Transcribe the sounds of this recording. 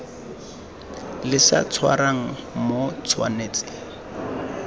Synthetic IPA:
lɪsa̰t͡sʰwa̰ɾaŋ̩mot͡sʰwa̰neːt͡sɪ̥

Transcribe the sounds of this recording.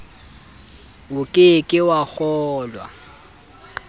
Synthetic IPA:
wʊkʼɪkʼɪwak͡xɔːlwa̰

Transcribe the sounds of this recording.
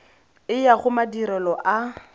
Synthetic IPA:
ɪjaχʊmadiɾɛlɔʔa

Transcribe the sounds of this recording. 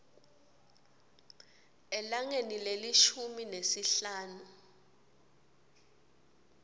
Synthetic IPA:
ɛlaŋenilelit͡ʃʰuminesiɬaːnu

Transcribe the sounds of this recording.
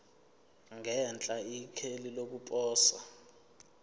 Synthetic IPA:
ŋɛnt͡ɬʼaikʰelilok̬ʼupʼɔːsa

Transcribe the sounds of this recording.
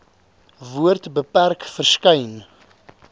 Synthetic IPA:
vuərtbəpærkfərskəjn

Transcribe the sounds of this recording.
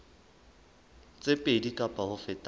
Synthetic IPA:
t͡sʼepʼedikʼapʼahʊfɪtʼ

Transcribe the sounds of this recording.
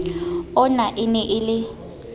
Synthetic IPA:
ɔnaʔɪnɛʔɪlɪ

